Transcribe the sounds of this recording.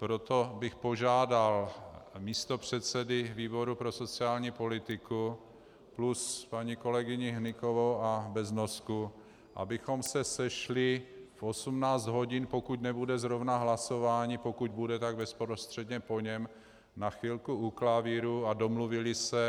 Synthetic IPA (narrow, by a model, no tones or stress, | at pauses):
pɾot̪o̞bɪxpo̞ʒaːdalmiːst̪o̞pr̝̥ɛt̪sɛdɪviːbo̞ɾupɾo̞so̞t͡sɪaːlɲiːpo̞lɪt̪ɪku | pluspaɲiko̞lɛɡɪɲɪɦnɪko̞vowʔabɛznosku | ʔa̰bɪxo̞msɛsɛʃlɪfʔo̞sumnaːt͡sd̪ɦo̞ɟɪnpo̞kucnɛbudɛzɾovnaɦlaso̞vaːɲipo̞kuɟ̚budɛt̪aɡbɛspɾost̪r̥ɛdɲɛpo̞ɲɛm | naxviːlkuuklaviɾuado̞mluvɪlɪsɛ